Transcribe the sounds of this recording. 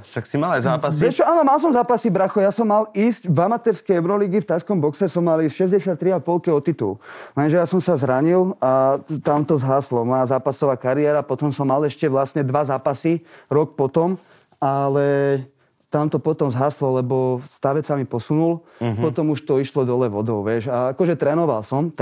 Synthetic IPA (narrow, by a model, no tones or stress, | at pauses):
ʃaksimalajzaːpaspɾɛt͡ʃɔaːnɔmalˠs̬ɔmzaːpasibɾaxɔjasɔmːaliːscvamat̪ɛɾskɛjɛʊɾɔliɡift̪ajskɔmbɔksɛsɔmːaliːsʃɛzɟɛsɪat̪ːɾiapɔlkiɔt̪ːit̪ṵlɛnʒɛjasɔmsazɾaɲilat̪amt̪ɔzɦaːslɔmɔjazaːpasɔʋaːkaɾiɛːɾapɔt̪ɔmsɔmːalɛʃcɛʋlastɲɛd̪ʋazaːpasiɾɔk̚pɔt̪ɔm | alɛ | t̪amt̪ɔpɔt̪ɔmzɦaːslɔlɛbɔst̪aʋɛt͡samipɔsunul | pɔt̪ɔmuʃt̪ɔiʃlɔd̪ɔlɛʋɔd̪ɔʊʋɪɛʃaakɔʒɛt̪ɾɛːnɔʋalsɔm